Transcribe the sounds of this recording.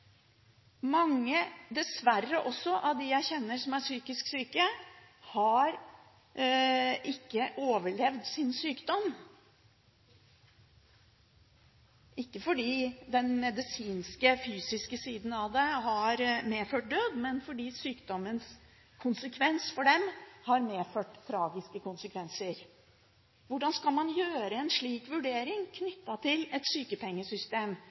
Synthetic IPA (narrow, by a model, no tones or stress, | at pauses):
mɑŋːəd̪ɛsʋærːəʔɔsːɔʔɑʋd̪ɪjæɪçɛnːəʂɔmæʂyːkɪsksyːkə | hɑɾ | ʔɪkːəʔoːʋəɭɛʋd̪sɪnsyːkd̪ɔm | ɪkːəfɔɖiːd̪ɛnmɛd̪ɪsiːnskəfyːsɪskəsiːd̪n̩ɑʋd̪ɛɦɑɾmeːføːʈ̚d̪øːd̪mɛnfɔɖiːsyːkd̪ɔməns | kʰʊnsəkʰʋɛnsfɔɖɛmhɑɾmeːføːʈt̪ʰːɾɑːɡɪskəkʊnsəkʰʋɛnsəɾ | ʋʊɖɑnskɑlmɑnjøːɾəɛnʂɭiːkʋʉɖeːɾɪŋkʰnʏt̪ːɑt̪ʰɪlɛt̪syːkəpʰɛŋːəsʏst̪eːm